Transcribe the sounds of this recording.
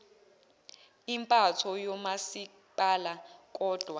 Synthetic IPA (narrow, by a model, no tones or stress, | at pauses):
impʼatʰɔjɔmasi | palak̬ʼɔːd̥ʱwa